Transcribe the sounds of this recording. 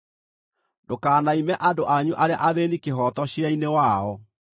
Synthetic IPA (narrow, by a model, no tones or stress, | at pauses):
dokaːnaimɛʔadoʔaɲuʔaɾea̰ʔaðenikeɦɔtɔɕjainewaɔ